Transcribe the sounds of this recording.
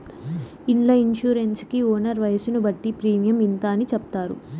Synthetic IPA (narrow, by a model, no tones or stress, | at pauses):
iɳlɐinʃuːɾenskioːnɐɾʋɐjɐsunubɐʈːipɾiːmjɐmint̪aːnit͡ʃɛp̚t̪aːɾṵ